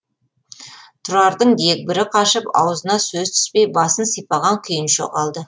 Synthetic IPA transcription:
t̪ʰʊɾɑɾd̪əɴd̪ek̚bɪɾɪqʰɑʃəpɑ̰wəzənɑsɵzt̪ʰʏ̥spe̞jbɑsənsijpɑʁɑŋkʲʰʏjɪnʃo̰qɑlˠd̪ə

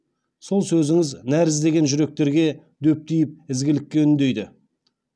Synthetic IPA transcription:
so̞lˠsɵzɪŋɪznæɾɪzd̪e̞ɡʲe̞nʒʏɾe̞k̚t̪e̞ɾɡʲe̞ | d̪ɵp̚t̪ijɪp̚ɪzɡʲɪlɪkʲːe̞ʏnd̪e̞jd̪ɪ

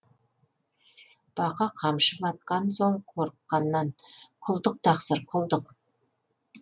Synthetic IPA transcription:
b̥ɑqɑqʰɑmʃəpɑt̪̚qɑnsoɴqʰoɾqːɑnːɑnqʰʊlˠd̪əq̚t̪ʰɑqsəɾqʰʊlˠd̪əq̚

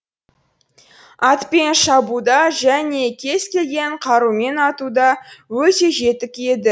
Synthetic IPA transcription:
ɑt̪pe̞nʃɑbud̪ɑʒæne̞kʲʰe̞zkʲe̞lɡʲe̞ɴqʰɑɾume̞nɑt̪ud̪ɑwɵt̪e̞ʒe̞t̪ɪkʲe̞d̪ɪ

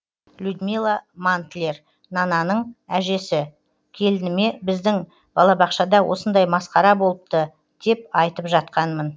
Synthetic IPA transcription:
lʲud̪milˠamant̪lʲer | nɑnɑnəɴæʒe̞sɪ | kʲʰe̞lɪnɪme̞bɪzd̪ɪŋ | b̥ɑlˠɑbɑqʃɑd̪ɑwʔo̞̰sənd̪ɑjmɑsqɑɾɑbo̞lˠəp̚t̪ə | d̪̥e̞p̚ɑjt̪əpʒɑt̪̚qɑnmən

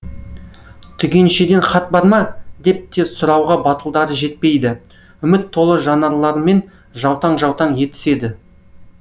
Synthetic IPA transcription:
t̪ʰʏɡʲe̞nʃed̪e̞nχɑt̪̚bɑɾmɑd̪e̞p̚t̪e̞sʊɾɑwʁɑbɑt̪əlˠd̪ɑɾəʒe̞t̪̚pe̞jd̪ɪ | ʏmɪt̪ʰːo̞lˠəʒɑnɑɾlˠɑɾme̞n | ʒɑwt̪ɑɴʒɑwt̪ɑɴje̞t̪ɪ̥se̞d̪ɪ

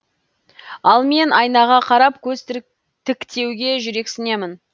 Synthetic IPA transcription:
ɑlˠme̞nɑjnɑʁɑqʰɑɾɑpkʲʰɵzt̪ | t̪ʰɪkt̪ʰe̞wɡʲe̞ʒʏɾe̞ksɪne̞mɪn

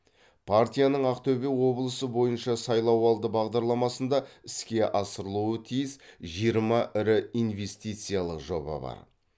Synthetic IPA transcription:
pʰart̪ʲijanəɴɑqt̪ʰɵbewo̞blˠəsəbo̞jənʃɑsɑjlˠɑwɑlˠd̪əbɑʁd̪ɑɾlˠɑmɑsənd̪ɑɪskʲe̞ʔɑsəɾəlˠuət̪ʰijɪsʒijəɾmɑʔɪɾɪijnve̞st̪ijt̪sɨjalˠəqʒo̞̰bɑ̰bɑ̰ɾ

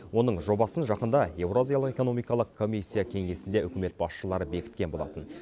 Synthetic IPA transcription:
wo̞nəɴʒo̞bɑsənʒɑqənd̪ɑje̞wɾozijalˠəqe̞ko̞no̞mijkɑlˠəqkʰːo̞mʲijsʲːijakʲʰe̞ŋe̞sɪnd̪e̞ʏkʲɪme̞t̪̚bɑsʃəlˠɑɾəbe̞kʲɪ̥t̪̚kʲe̞nbo̞lˠɑ̰t̪ən

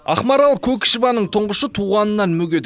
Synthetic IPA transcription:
ɑχmɑɾɑlˠkʲʰɵkʲɪ̥ʃvɑnəɴt̪ʰʊɴʁəʃət̪ʰuʁɑnənːɑnmɵɡʲe̞d̪ɪ

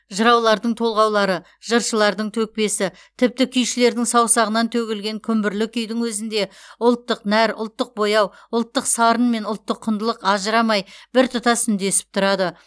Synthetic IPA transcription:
ʒəɾɑwlˠɑɾd̪əɴt̪ʰo̞lˠʁɑwlˠɑɾə | ʒ̥əɾʃəlˠɑɾd̪əɴt̪ʰɵk̚pe̞sɪ | t̪ʰɪp̚t̪ɪkʲʰʏjʃɪle̞ɾd̪ɪŋsɑwsɑʁənɑnt̪ʰɵɡʲɪlɡʲe̞ŋkʲʰʏmbɪɾlɪkʲʰʏjd̪ɪŋwɵzɪnd̪e̞ʊlˠt̪ːəqnæɾʊ̰lˠt̪ːəq̚bo̞jɑw | ʊlˠt̪ːəqsɑɾənme̞nʊlˠt̪ːəqʰːʊnd̪əlˠəqɑʒəɾɑmɑjbɪɾt̪ʰʊt̪ɑsʏnd̪e̞sɪ̥p̚t̪ʰʊɾɑd̪ə

